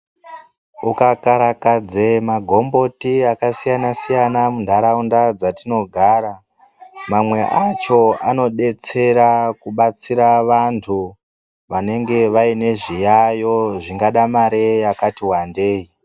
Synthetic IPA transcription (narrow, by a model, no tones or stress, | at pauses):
ukakaɾakad͡zemaɡʱo̞mbo̞tiakasijanasijanamundʱaɾaundad͡zatino̞ɡʱaːɾa | mamwe̞ʔat͡ʃo̞ano̞ɗe̞t͡se̞ɾakuɓat͡siɾaʋantʰu | ʋane̞ŋɡe̞ʋaine̞ʐijajo̞ʐiŋɡaɗamaɾejakatiwandeːi